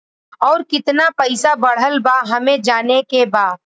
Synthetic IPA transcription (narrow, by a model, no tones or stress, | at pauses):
ɔːɾkɪt̪napɛɪsabɐɽ̤əlbaɦɐmẽd͡ʒaːnekebaː